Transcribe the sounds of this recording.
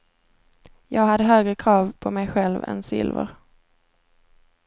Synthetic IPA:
jɑːɡhad̪ːəɦøːɡɾəkʰɾɑːvpʰɔmɛjɧɛlvɛ̰nsɪ̰lvə̰ɾ

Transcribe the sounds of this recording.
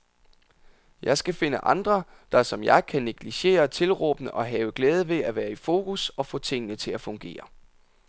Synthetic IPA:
jɑ̈ɪsɡ̥æfe̝nəʔɑ̈nd̥ʁɐ | d̥ɑ̈sɒ̽mjɑ̈ɪkʰæne̝ɡ̥liɕe̝̰ːɐt͡sʰe̝lʁɔ̰ːb̥ənəʔɒ̽ɦɛːʊəɡ̥lɛːð̞ˠəʋe̝æʋæːɐifo̝ːkʰusɒ̽fɔ̰̽ːt͡sʰe̝ŋ̰ənət͡sʰe̝læfɔ̽ŋɡ̥e̝̰ːɐ

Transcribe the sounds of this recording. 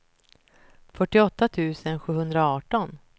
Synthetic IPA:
fœʈːɪɔt̪ːat̪ʰʉ̟ːsənɧʉ̟ːhɵnd̪ɾaɑːʈɔn

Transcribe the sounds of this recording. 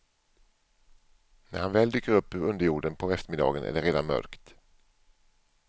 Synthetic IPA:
næ̰ɾhanvɛːld̪yːkːəɾɵpːɵɾɵnd̪əɾjuːɖənpʰɔɛft̪əɾmɪd̪ɑ̰ːɡənʔæ̰ɖɛɾeːd̪anmœ̰ɾkt̪

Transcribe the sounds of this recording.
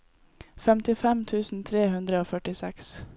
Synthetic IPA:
fɛmt̪ɪfɛmt̪ʰʉːsn̩t̪ʰɾeːɦʉnd̪ɾəoːfœʈɪsɛks

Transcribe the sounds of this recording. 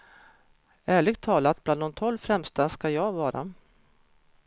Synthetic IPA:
æːɭɪɡt̪ʰːɑːlat̪̚b̥land̪ɔmt̪ʰɔlvfɾɛmst̪askajɑːɡvɑːɾa̰

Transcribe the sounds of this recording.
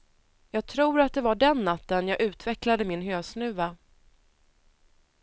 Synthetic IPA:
jɑːɡ̚t̪ʰɾuːɾat̪̚d̪ɛvaɖɛnːat̪ːənjɑːɡʔʉ̟ːt̪vɛklad̪əmɪnɦøːsnʉ̟ːva

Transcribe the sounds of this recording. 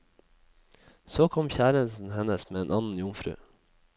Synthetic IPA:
soːkʰɔmçæːɾənsn̩hɛnəsmeːeːnʔɑnn̩jʊŋfɾʉ̰ː

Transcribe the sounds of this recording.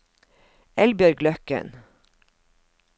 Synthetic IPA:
ɛlbjœɾɡlœkə̰n

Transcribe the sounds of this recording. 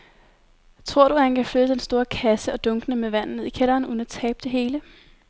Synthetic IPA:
t͡sʰʁo̝ɐ̰ɾ̥uæhænkʰæfløð̥əd̥ensd̥o̝ːɐkʰæsəɒ̽d̥ɔ̽ŋɡ̥ənəmeʋæn̰n̩ne̝ðˠikʰel̰ɐːn̩un̩æt͡sʰɛːb̥̚d̥e̝ɦe̝ːlə

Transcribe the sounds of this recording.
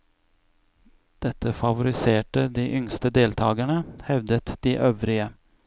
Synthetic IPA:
d̪̥ɛt̪ːəfɑʋʊɾɪseːʈəd̪iːʔʏŋst̪əd̪eːlt̪ʰɑːɡæɳəhɛʋd̪ət̪d̪iːʔøːʋɾɪə

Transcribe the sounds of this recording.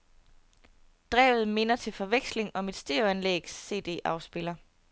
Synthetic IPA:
d̥ʁɛ̰ːʊð̞̩ˠme̝nɐt͡sʰe̝lfɒ̽ʋeɡ̥sle̝ŋɒ̽mid̥sd̥eænlḛːɡ̥sːe̝̰ːd̥e̝̰ːʔɑ̈ʊsb̥e̝lɐ

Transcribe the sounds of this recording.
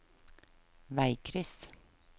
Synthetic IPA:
ʋæɪkʰɾɪs

